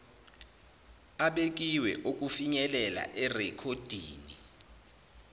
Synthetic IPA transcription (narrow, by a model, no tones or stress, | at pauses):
aɓek̬ʼiwɛ̰ʔok̬ʼufiɲɛlɛla̰ʔɛrɛkʰod̥ʱiːni